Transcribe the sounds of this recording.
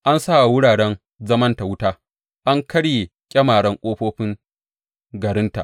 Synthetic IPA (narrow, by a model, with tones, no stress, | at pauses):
ʔa˦nsa˦ʔwʊ˦ɽaː˨ɽɛ˦n | zɐ˦mɐ˦nta˨wʊ˦taː˦ | ʔa˦ŋkɐ˦ɽje˨ | kʲʼɐ˦maː˨ɽɐ˦ŋkʷʼoː˦ɸoː˦ɸɪ˦ŋ | ɡɐ˨ɾɪ˦nta̰˨ʔ